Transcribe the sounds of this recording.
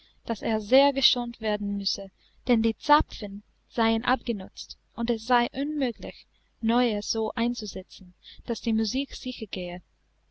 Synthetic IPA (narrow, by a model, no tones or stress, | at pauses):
d̥aseːɐzeːɐɡəʃoːntv̥eːɐdn̩mʏsə | d̥ɛndiːt͡sapfən | z̥aɪənʔa̰p̚ɡ̥ənʊt͡st | ʔʊntɛsz̥aɪʔʊnmøːɡlɪ̰ç | nɔʏəz̥oːʔaɪ̃nt͡suzɛt͡sn̩d̥asd̥iːmuziːkz̥ɪçəɡeːə